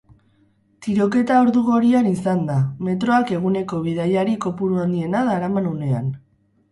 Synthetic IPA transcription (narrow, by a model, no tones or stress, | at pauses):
t̪iɾo̞ke̞t̪aoɾðuɣo̞ɾianisand̪ame̞t̪ɾo̞ake̞ɣune̞ko̞β̞iðajaɾiko̞puɾuand̪ie̞naðaɾamanune̞a̰n